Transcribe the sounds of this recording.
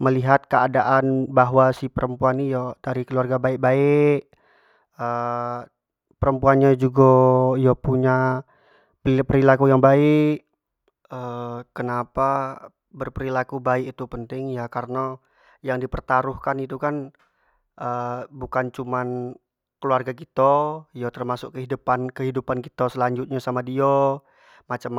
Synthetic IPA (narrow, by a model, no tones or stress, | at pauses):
məliɦat̪̚kəadaʔanbaɦwasihpəɾəmpuanːijadaɾikəluarɡabaɪk̚baɪk | ə | pəɾəmpuanɲad͡ʒuɡajapuɲa | pəɾilakujaŋbaɪk | əkənapa | bərpəɾilakubaɪkit̪upənt̪ɪŋjakaɾəna | jaŋdipərt̪aɾuhkanit̪ukan | ʔəbukant͡ʃuman | kəluarɡak̬it̪ajat̪ərmasʊkkəɦidupankəɦidupanki̥t̪asəlaɲd͡ʒut̪̚ɲasamadio | mat͡ʃam